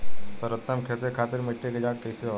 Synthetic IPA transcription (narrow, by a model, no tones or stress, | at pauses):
pəɾət̪ːəmkʰeːt̪ekʰaːt̪ɪɾmeʈʰːeked͡ʒaːkːeːse